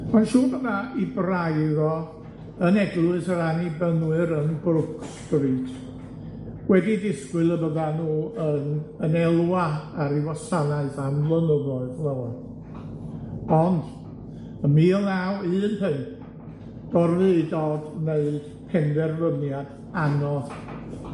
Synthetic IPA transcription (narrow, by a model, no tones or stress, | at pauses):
manʃuːbəðaibrajðɔ | ənɛɡlˠʊɨsəɾanibənwɨɾənbrʊksb̥ritʰ | wɛdidɪskwɨlˠəbəðanuːənənɛlˠwaaɾiwasanaɨθamlˠənəðɔɨðləwa | ɔnd̥ | əmiːlˠnawɨːnhɨn | d̥ɔrðɨɨdɔdneɨd̥pʰɛnðɛrvənjad | anɔð